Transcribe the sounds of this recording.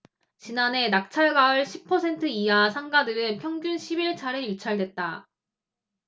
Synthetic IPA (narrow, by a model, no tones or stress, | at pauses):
t͡ɕinane̞nak̚t͡ɕʰaɭɡaɯɭɕʰipʰːʌsʰe̞ntʰɯiasʰaŋɡadɯɾɯnpʰjʌŋɡjunɕʰibiɭt͡ɕʰaɾɯjut͡ɕʰaɭdwe̞t̚t͈a